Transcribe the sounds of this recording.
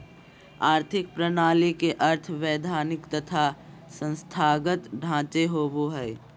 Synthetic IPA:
aːɾt̪ʰɪk̚pɾənaːlikeʔəɾt̪ʰʋɛːd̪ʱaːnɪkt̪ət̪ʰa | sə̃nst̪ʰaːɡət̪ɖʱãːt͡ʃeɦoːboɦɛː

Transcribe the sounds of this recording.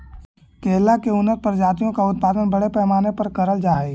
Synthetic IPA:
keːlakeʊnəɾpəɾd͡ʒaːt̪̬ijõkaʊt̪̚paːd̪ənbɐɽepɛːmaːnepɐɾkɐɾəld͡ʒaːe

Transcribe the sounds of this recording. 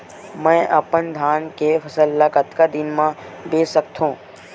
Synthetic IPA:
mɛ̃ːʔɐpənd̪ʱaːnkefʰɐsəlːakət̪kad̪ɪnmãbeːsək̚t̪ʰõː

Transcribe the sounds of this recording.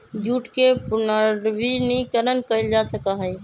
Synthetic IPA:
d͡ʒuʈkepunəɾbinikəɾənkəjld͡ʒasəkəɦəj

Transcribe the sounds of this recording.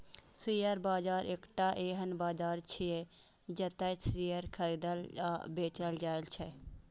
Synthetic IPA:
sijəɾbaːd͡ʒaːɾekʈaʔeːɦɐnbaːd͡ʒaːɾt͡ʃʰie | d͡ʒɐt̪ɐsiːəɾkʰɐɾiːd̪əla̰beːt͡ʃəld͡ʒaːjlt͡ʃʰɛ

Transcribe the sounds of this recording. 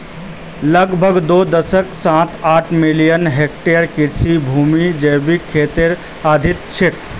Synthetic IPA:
lɐɡbʱəɡd̪oːd̪əsəksãːt̪aːʈʰmɪlijənɦeːk̚ʈejəɾkɪɾsibʱuːmid͡ʒəjbikʰːeːt̪ɪɾ | aːd̪ʱɪt̪t͡ʃʰɪk̚

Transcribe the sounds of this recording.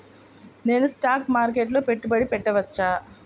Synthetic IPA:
ne̞ːnusʈaːkmaːɾk̬eʈ̬lo̞ːpe̞ʈːubɐɽipɛʈːɐʋɐt͡ʃːaː

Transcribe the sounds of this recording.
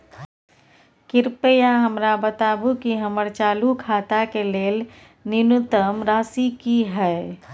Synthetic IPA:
kɪɾpejaɦəmɾabət̪aːbukiɦəməɾt͡ʃaːlukʰaːt̪akeleːl | nɪnʊt̪əmɾaːsikiɦɛː

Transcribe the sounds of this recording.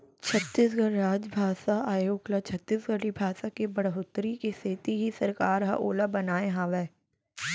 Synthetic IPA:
t͡ʃʰɐt̪ːiːsɡəɽɾaːd͡ʒbʱaːsaaːjoːklat͡ʃʰɐt̪ːiːsɡɐɽibʱaːsakebɐɽɦʊt̪ɾikeseːt̪iɦisɐɾkaːɾɦɐ̰ʔoːlabɐnaːẽɦãːʋɛː

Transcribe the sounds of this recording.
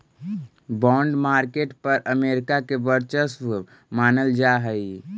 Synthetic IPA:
bɔ̃ːɳɖmaːɾkeːʈpəɾʔəmeːɾɪkakebəɾt͡ʃəs | maːnəld͡ʒaɦəi

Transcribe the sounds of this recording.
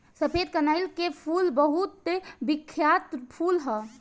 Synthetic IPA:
səpʰed̪kənajlkepʰulbəɦut̪ːebikʰːjat̪pʰulɦə

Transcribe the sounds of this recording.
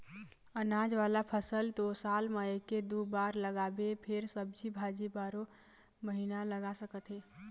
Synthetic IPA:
ənaːd͡ʒʋaːlapʰəsəlt̪osaːlmaeked̪ubaːɾləɡaːbepʰɪɾsəb̚d͡ʒibʱaːd͡ʒibaːɾo | məɦinaləɡasəkət̪ɦɛː

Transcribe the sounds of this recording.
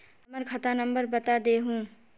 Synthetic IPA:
məɾkʰɐt̪anə̃mbəɾbɐt̪ad̪eːɦũː

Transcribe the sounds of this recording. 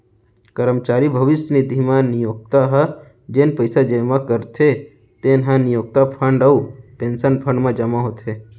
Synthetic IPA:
kəɾəmt͡ʃaːɾibʱəʋɪsjənid̪ʱimãnijoɡ̚t̪aɦə | d͡ʒenpəjsad͡ʒemãkəɾt̪ʰe | t̪enɦãnijoːɡ̚t̪apʰə̃ɳɖəuʈẽnsənpʰə̃ɳmãd͡ʒəmãɦot̪ʰe

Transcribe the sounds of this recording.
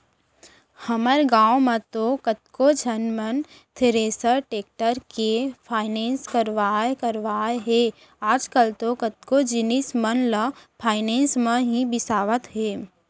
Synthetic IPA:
həməɾɡãːõmẽt̪okət̪̚kod͡ʒənmən | t̪ʰɪɾeːsəɾʈeːk̚ʈəɾkepʰaːɪnẽːnskəɾʋaːekəɾʋaːeɦe | aːd͡ʒkəlt̪okət̪̚kod͡ʒɪnismənləpʰaːɪnẽːnsmẽɦibɪsaːʋət̪ɦeː

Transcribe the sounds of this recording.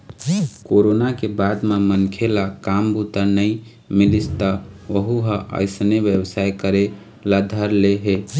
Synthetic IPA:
koɾonakebad̪memənkʰelakambut̪ənəi | milist̪aʋəɦuɦəʔə̰ɪsneʋjəbsajkəɾe | lad̪ʱəɾleɦe

